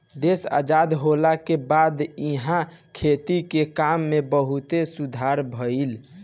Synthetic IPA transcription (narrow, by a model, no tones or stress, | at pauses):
d̪esa̰d͡ʒad̪ɦolakebad̪iɦãkʰet̪ikekamːebəɦut̪esud̪ʱaɾbʱəil